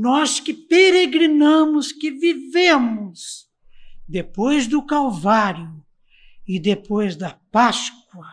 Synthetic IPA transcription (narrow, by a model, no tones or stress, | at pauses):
nɔskɪpeɾeɡɾinɐ̃mʊskɪvivẽmʊs | d̪epojzd̪ʊkawvaɾjʊ | ɪd̪epojzd̪ɐpask̚wɐ